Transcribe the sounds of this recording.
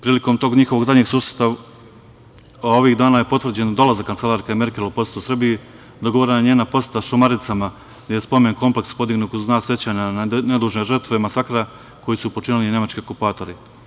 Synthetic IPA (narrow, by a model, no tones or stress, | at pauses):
pɾiːliko̞mt̪o̞ːɡɲixo̞ʋo̞ɡzad̪ɲe̞ɡsuːsje̥t̪a | o̞ʋiɣd̪aːnaje̞po̞t̪ʋvr̩d͡ʑe̞nd̪o̞lazakːant̪se̞lˠaɾkaime̞ɾkʲe̞lupo̞set̪usr̩biji | d̪oɡo̞ʋoɾenaɲeːnapo̞set̪aʃumaɾit̪sama | d̪ajespo̞menko̞mple̞kspo̞d̪iɡnuːk̪znaːsje̞t͡ɕaːɲaned̪uːʒne̞ʒrt̪ʋemasakɾa | ko̞jisupo̞t͡ʃinilinʲe̞mat͡ʃkʲiokupaːt̪o̞ɾi